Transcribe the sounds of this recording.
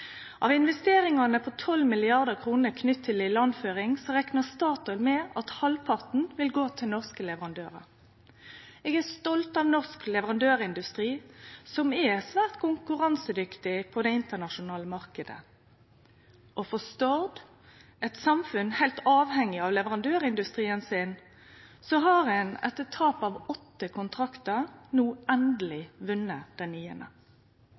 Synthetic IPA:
ʔɑʋɪnʋɛst̪eːɾɪŋɑnəpʰɔt̪ʰɔlmɪlɪɑʁd̪əkʰʁuːnəkʰnʏt̪ʰːɪlɪlɑnføːʁɪŋsɔʁɛknəst̪ɑːt̪ɔlmɛɑt̪hɑlpʰɑʁt̪n̩ʋɪlɡoːt̪ʰɪlnɔʁskəlɛʋəʁɑnd̪øːʁə̰ɾ | ɛːɡæʁst̪ɔlt̪ɑʋnɔʁsklɛʋəʁɑnd̪øːʁɪnd̪ʉst̪ʁiːsɔmɛsʋæːʁt̪kʰʊŋkʉʁɑnsəd̪ʏkt̪ɪpʰɔd̪ɛɪnt̪ənɑʃʊnɑːləmɑʁkəd̪ə̰ | ʔɔfɔst̪ɔʁd̪ | ɛt̪sɑmfʉnhæɪlt̪ɑːʋhɛŋːɪɑʋlɛʋəʁɑnd̪øːʁɪnd̪ʉst̪ʁiːənsɪn | sɔɦɑʁɛnɛ̰t̪ət̪ʰːɑːpɑʋɔt̪ːəkʰʊnt̪ʰʁɑkt̪əʁnuːɛnd̪əlɪʋʉnːəd̪̥ɛnyːənə̰

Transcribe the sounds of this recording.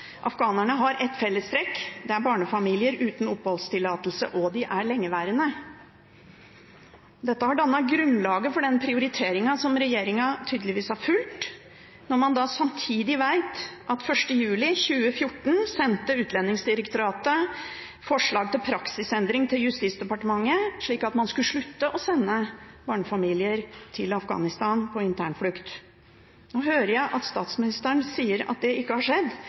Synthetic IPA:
ʔɑfɡɑːnæɳəɦɑɾʔɛt̪fɛlːəst̪ɾɛkd̪ɛæɾbɑːɳəfɑmiːlɪəɾʉːt̪n̩ʊpːhɔlst̪ʰɪlːɑːt̪əl̩sə̰ʔɔd̪ɪʔæɭɛŋːəʋæːɾənə | d̪ɛt̪ːəhɑɖɑnːɑt̪̚ɡɾʉnlɑːɡəfɔɖɛnpʰɾɪʊɾɪt̪ʰeːɾɪŋɑsɔmɾɛjeːɾɪŋɑt̪ʰyːd̪l̩ɪʋiːsæɾfʉlt̪ | nɔɾmɑnd̪ɑsɑmt̪ʰiːd̪ɪʋæɪt̪ʔɑt̪fœʂʈəjʉːlɪçʉːəfjʊʈːɳ̩sɛnt̪əʉːt̪lɛnːɪŋsd̪ɪɾəkt̪ʊɾɑːt̪ə | fɔʂɭɑːɡ̚t̪ɪlpʰɾɑksɪsɛnd̪ɾɪŋt̪ʰɪljʉst̪iːt̪sd̪ɛpɑʈəmɑŋːəʂɭiːkɑt̪mɑnskʉʂɭʉt̪ːəʔɔsɛnːəbɑːɳfɑmiːlɪəɾt̪ʰɪlɑfɡɑ̰ːnɪst̪ɑːnpʰɔɪnt̪ʰæ̰ːɳflʉkt̪ | noːhøːɾəjæɪʔɑt̪st̪ɑːt̪smɪnɪst̪əəɳsiːəɾɑ̰t̪̚d̪ɛɪkːəhɑʂɛd̪

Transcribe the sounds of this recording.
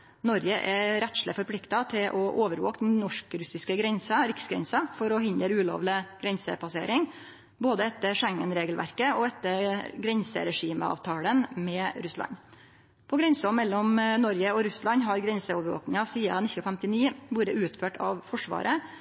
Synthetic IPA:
nɔɾjəʔɛɾɛt̪ʂləfɔɾpʰlɪkt̪ɑt̪ʰɪlʔɔʔoːʋəɾʋo̰ːkd̪n̩nɔʂkɾʉsɪskəɡɾɛnsɑɾɪksɡɾɛ̰nsɑfɔɾɔɦɪnd̪əɾʉːlo̰ːʋlɪɡ̥ɾɛnsə̰pʰɑsḛːɾɪŋ | boːd̪əɛt̪ːəʂɛŋːənɾeːɡəlʋʔæ̰ɾkəɔɛt̪ːəɾɡɾɛnsə̰ɾɛʂiːmə̰ɑ̰ːʋt̪ʰɑːlənmɛːɾʉslɑ̰ɲ | pʰɔɡɾɛnsɔmɛlːɔmnɔɾjəɔɾʉslɑnɦɑɾɡɾɛnsəɔʋəɾʋo̰ːknɪŋɑsiːɑ̰nɪç̪nɔfɛmt̪ɪniːbuːɾd̪əʔʉːt̪føːʈɑ̰ʋfɔʂʋɑ̰ːɾʔə

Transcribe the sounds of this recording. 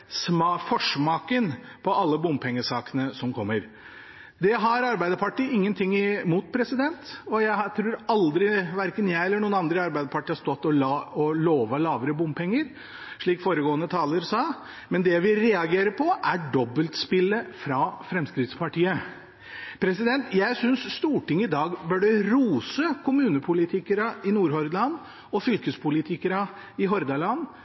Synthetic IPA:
smfɔʂmɑːkən | pʰɔʔɑlːəbʊmpʰɛŋːəsɑːkənəsɔmkʰɔmːəɾ | d̪ɛɦɑɾɑɾbæɪd̪əɾpɑʈiːɪŋːənt̪ʰɪŋːɪmuːt̪̚pʰɾɛsɪd̪ɛnt̪ɔjæɪhɑt̪ʰɾuːɾɑld̪ɾɪʋæɾkənjæɪɛlːəɳuːənɑnd̪ɾəɑɾbæɪd̪əpʰɑʈiːhɑst̪ɔt̪ːɔɔloːʋəlɑːʋəɾəbʊmpʰɛŋːəɾ | ʂɭiːkfoːɾəɡoːənət̪ʰɑːləɾsɑ | mɛnd̪ɛʋɪɾɛɑɡeːɾəpʰɔʔæɖɔbːəlt̪spɪlːəfɾɑfɾɛmskɾɪt̪spɑʈiːə | pʰɾɛsɪd̪ɛnt̪ʰjæɪsʏnsːt̪uːʈɪŋːɪd̪ɑːɡbœɖɛɾuːsəkʰʊmʉːnəpʰʊlɪt̪ʰɪkəɾɑɪnuːɾɦɔɾd̪lɑnː | ɔfʏlkəspʰʊlɪt̪ʰɪkəɾɑ | ɪɦɔɾd̪ɑlɑnː

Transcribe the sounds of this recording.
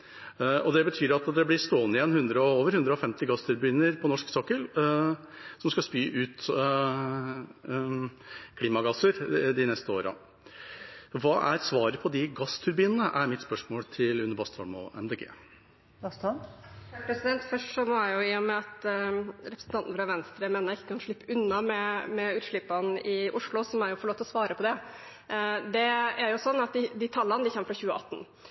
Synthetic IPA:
ɔd̪ɛbət̪ʰyːɾɑt̪d̪ɛblɪst̪oːnɪjɛnːhʉnd̪ɾəɔoːʋəɾhʉnd̪ɾəɔfɛmt̪ɪɡɑst̪ʰʉɾbyːnəɾpʰɔnɔʂksɑːkəl | sɔmskɑspyːʔʉːt̪ | kʰliːmɑɡɑsːəɾd̪ɪnɛst̪əoːɾə̰ | ʋɑːʔæɾsʋɑːɾəpʰɔd̪ɪɡɑst̪ʰʉɾbyːnənəʔæɾmɪt̪spœʂmoːlt̪ʰɪlʉnːəɾbɑst̪ʰɑlmɔ̰ɛ̰md̪eːɡḛː | t̪ː | pʰɾɛsɪd̪ɛnt̪fœʂʈʂɔmɔjæjʊɪːʊmɛɑt̪ɾɛpɾəsn̩ɑnt̪n̩fɾɑʋɛnst̪ɾəmeːnəɪkːəkʰɑnʂɭɪpːəʉnːɑmɛmɛʉːt̪ʂɭɪpːɑnɪʔʊʂɭʊsɔmæɾjʊfɔɭoːt̪ɔsʋɑːɾəpʰɔd̪ɛ | d̪ɛæɾjʊsɔnːɑt̪̚d̪ɪd̪ɪt̪ʰɑlːɑnəd̪ɪçɛmːəfɾɑçʉːəʔɑt̪ːn̩

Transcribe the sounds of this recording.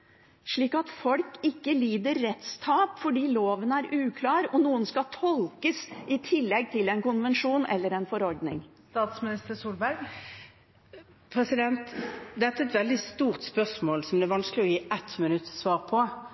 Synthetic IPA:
ʂɭiːkɑt̪fɔlkɪkːəliːd̪əɾːɛt̪st̪ʰɑːpfɔɖiːloːʋənæɾʔʉːkʰlɑːɾɔnuːənskɑt̪ʰɔlkəsɪt̪ʰɪlːɛɡ̚t̪ʰɪlɛnkʊnʋɛnʂuːnʔɛ̰lːəɾɛnfɔɾɔɾɖnɪ̰ŋ | t̪ɑːt̪smɪnɪst̪əɾsuːlbæɾɡ | pʰɾɛsɪd̪ɛnt̪d̪ɛt̪ːæɛt̪ʋɛld̪ɪst̪uːʁt̪spœsmoːlsɔmd̪ɛæɾʋɑnsklɪɔjiːʔɛt̪mɪnʉt̪ːsʋɑːʁpʰɔ

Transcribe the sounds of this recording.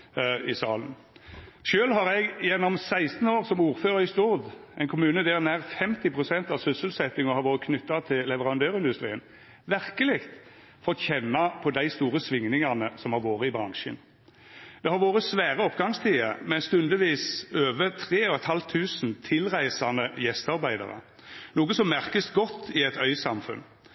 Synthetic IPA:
ɪsɑːlən | ʃøːlɦɑʁɛɡjɛnːɔmsæɪst̪n̩oːʁsɔmuːɾføːʁəɾɪst̪ʊʁd̪ʔɛɪnkʰʊmʉːnəd̪æɾnæːʁfɛmt̪ɪpʰʁʊsɛnt̪ɑʋsʏsəlsɛt̪ːɪŋɔhɑɾʋoːʁəkʰnʏt̪ːɑt̪ʰɪllɛʋəʁɑnd̪øːʁɪnd̪ʉst̪ʁḭːən | ʋæʁkəlɪkt̪ | fɔt̪çɛnːɑpʰɔd̪æɪst̪uːʁəsʋɪŋnɪŋɑnəsɔmhɑɾʋoːʁəɪbʁɑŋʃə̰n | d̪̥ɛhɑɾʋoːʁəsʋæːʁəɔpɡɑŋst̪ʰiːəmɛst̪ʉnd̪əʋiːsøːʋət̪ʰʁeːɔɛt̪hɑlt̪ʰːʉːsn̩t̪ʰɪlʁæɪsɑnəjɛst̪ɑʁbæɪd̪ɑ̰ʁə̰ | nuːɡəsɔmmæʁkəst̪ɡɔt̪ʰːɪɛt̪œʏsɑmfʉ̰n

